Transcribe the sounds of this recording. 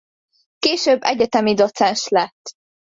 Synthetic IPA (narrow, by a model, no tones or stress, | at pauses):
keːʃøːbːɛɟɛt̪ɛmid̪ot̪sɛnʃlɛt̪ː